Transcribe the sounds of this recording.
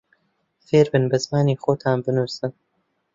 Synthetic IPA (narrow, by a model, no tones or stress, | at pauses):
feːɾbɨnbɐzmaːniːxoːt̪ʰaːnbɨnuɾsɨn